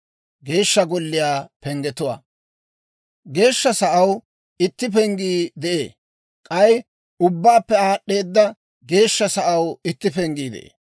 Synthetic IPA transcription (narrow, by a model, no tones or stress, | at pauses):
ɡe̞ːʃːɐɡɔlːɪjaːpɛŋɡɛt̪ʊwa̰ː | ɡe̞ːʃːɐsɐʔɐw | ɪt̪ːɪpɛŋɡiːd̪ɛʔḛː | kʼɐj | ʊbːaːpːɛaːɗːeːd̪ːɐ | ɡe̞ːʃːɐsɐʔɐwɪt̪ːɪpɛŋɡiːd̪ɛ̰ʔḛː